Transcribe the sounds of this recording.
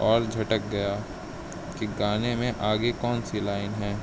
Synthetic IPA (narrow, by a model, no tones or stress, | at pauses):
ɔːɾd͡ʒʱɐʈək̚ɡɐja | kiɡaːnemẽʔaːɡekɔːnsilaːɪnɦɛ̃ː